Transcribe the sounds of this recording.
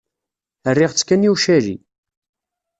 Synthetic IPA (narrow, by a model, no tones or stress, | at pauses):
ərːɪʁt͡sːkːænjuʃæɾḭ